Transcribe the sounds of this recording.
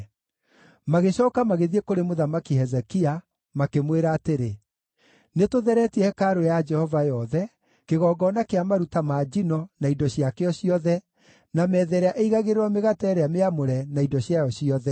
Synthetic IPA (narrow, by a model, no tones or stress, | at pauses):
maɣeɕɔːkamaɣeðiekoɾemoðamakihɛzɛkia | makemweɾaːteɾe | netoðɛɾɛtiɛhɛkaɾojad͡ʒɛhɔvajɔðɛ | keɣɔːɡɔnakeamaɾutamaːd͡ʒinɔnaidɔɕjakeɔɕiɔðɛ | namɛːðɛɾeaʔeiɣaɣeɾeɾɔmeɣatɛːɾeameamoɾɛnaidɔɕjajɔɕiɔðɛ